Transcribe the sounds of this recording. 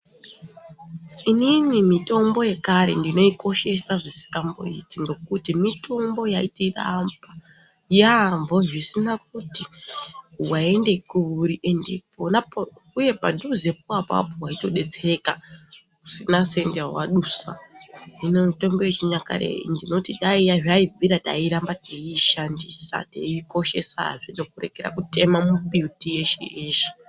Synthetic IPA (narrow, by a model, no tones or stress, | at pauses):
ininimito̞mbo̞je̞kaɾe̞̰ndino̞iko̞ʃe̞saʐisi̥kambo̞̰ḭtiŋɡo̞kutimitʰo̞mbo̞jaitira̰mba | jambo̞ʐisinak̚uti | wae̞nde̞kuɾiʔendḛpona | uje̞padʱuzepuapa̰poɦwaito̞ɗe̞d͡ze̞ka | usinasendewa̰ɗusa̰inoto̞mbejet͡ʃiɲaka̰ɾḛḭndino̞tiɗaijaʐaiviɾata̰iɾambateiʃandisa̰tḛiko̞ʃe̞sa̰ʐidokure̞̰keɾa̰kute̞mamuɓiutije̞ʃḛʔeːʃe̥